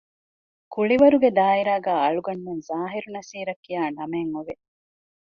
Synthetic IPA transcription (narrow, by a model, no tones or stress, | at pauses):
kuɭiʋɐɾuɡed̪aːiɾaːɡaːɐɭuɡɐnːenzaːɦiɾunɐsiːɾɐkːijaːnɐmeŋuʋe